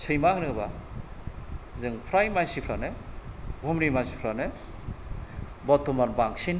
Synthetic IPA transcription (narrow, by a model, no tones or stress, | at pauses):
sʰɯjmahɾɯba | zɯŋpʰɾajmajsipʰɾanebʱumɾimajsi̥pʰɾane | bɔtʰːɔmanbaŋsin